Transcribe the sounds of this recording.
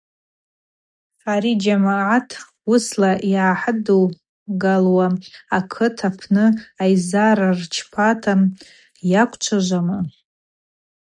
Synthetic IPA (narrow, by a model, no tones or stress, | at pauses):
aɾid͡ʒamʕatʰ | uslaʔiʕaħado | ɡalwaakʰɨtʰapʰnɨajzaɾart͡ʃʰpʰatʰam | jakʷʰʼt͡ʃʷʰaʒʷamɨ